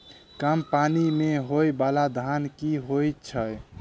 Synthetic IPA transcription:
kampanimeɦojbalad̪ʱankiɦojt͡ʃʰəj

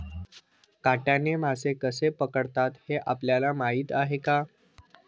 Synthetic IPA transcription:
kaʈjanem̤asekəsepəkəɽt̪at̪heʔapljalamaɦiːt̪aɦeka

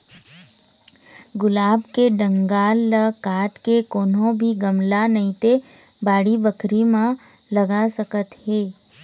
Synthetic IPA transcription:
ɡʊlaːbkeɖə̃ŋɡaːlːəkaːʈkekoːnõbʱiɡəmlanəĩt̪e | baːɽibəkʰɾimã | ləɡasəkət̪ɦeː

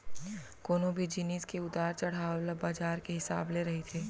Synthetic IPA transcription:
koːnõbʱid͡ʒɪniskeʊd̪aːɾt͡ʃɐɽ̤aːlɐbaːd͡ʒaːɾkeɦɪsa̰ːbleɾɐɦit̪ʰeː

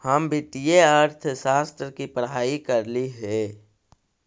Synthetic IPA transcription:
həmbɪʈijeəɾt̪ʰʃaːst̪ɾəkipɾɦaːikəɾliɦɛ

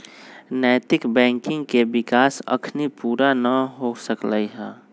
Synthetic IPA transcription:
nəːt̪ɪkbɛ̃ːŋkɪ̃ŋɡkebɪkaːsə̰kʰnipuːɾanəɦosəkləiɦɛː

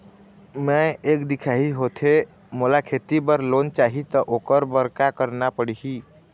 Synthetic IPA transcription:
mɛ̃eːkd̪ikʰaɦiɦot̪ʰe | molakʰet̪ibəɾloːnt͡ʃaːɦit̪ɔʔokəɾbəɾkakəɾnapəɽiɦi

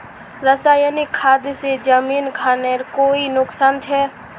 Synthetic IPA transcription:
ɾəsaːjənikʰːaːd̪sed͡ʒəmiːnkʰaːneɾkoːinʊksaːnt͡ʃʰɛː

